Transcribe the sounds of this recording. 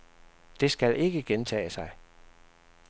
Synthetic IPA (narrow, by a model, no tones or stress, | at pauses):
d̥e̝sɡ̥ælʔe̝ɡ̥əɡ̥ent͡sʰɛ̰ːɪsɑ̈ɪ